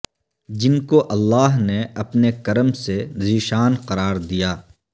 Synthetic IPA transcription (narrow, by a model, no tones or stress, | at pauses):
d͡ʒɪnkoʔɐlːaːɦneɐpnekɐɾəmsezɪʃaːnqɐɾaːɾd̪ijaː